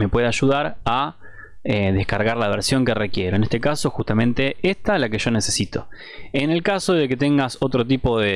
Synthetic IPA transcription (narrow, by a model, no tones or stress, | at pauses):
me̞pwe̞ðeaʒuðaɾa | eðehkaɾɣaɾlaβ̞eɾsjo̞ŋkerekje̞ɾo̞e̞ne̞st̪ekaso̞xust̪amẽ̞nt̪e̞est̪alakeʒ̥o̞nese̞sit̪o̞ | ene̞lkaso̞ðe̞ke̞t̪e̞ŋɡaso̞t̪ɾo̞t̪̬ipo̞ðe